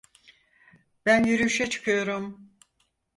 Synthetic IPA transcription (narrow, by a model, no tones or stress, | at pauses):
b̥ænjyɾyʃɛt͡ʃʰɯ̥kʰɯjo̞ɾum